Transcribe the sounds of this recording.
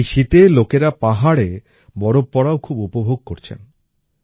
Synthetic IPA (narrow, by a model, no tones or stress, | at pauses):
ʃit̪elokeɾapaɦaɽe | bɔɾopːɔɽaokʰubupobʱoɡ̚koɾt͡ɕʰḛn